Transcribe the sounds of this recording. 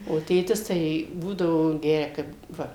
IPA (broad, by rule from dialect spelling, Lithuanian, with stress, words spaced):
oː ˈtʲeːtʲɪs ˈtɐɪ ˈbuːdɐʋoː ˈɡʲæːrʲɛ ˈkɐɪp ˈʋɐ